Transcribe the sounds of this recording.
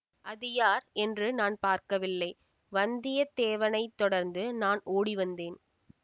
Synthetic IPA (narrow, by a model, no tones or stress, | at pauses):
ʔɐðɪjaːɾɛndrɯnaːnpaːɾkɐʋɪlːɐɪ | ʋɐnd̪ɪjɐt̪eːʋɐnɐɪt̪ːɔɽɐɾnd̪ɯnaːnoːɽiʋɐnd̪eːn